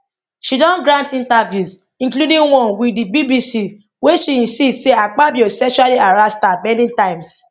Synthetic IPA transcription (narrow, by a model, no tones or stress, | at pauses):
ʃidɔ̃nɡɾãntĩntavjus | ĩkludĩŋwɔ̃nwidibibisi | weʃiĩsidseak͡pabiosɛkʃualiaɾastabɛ̃ndĩŋtãɪ̃ms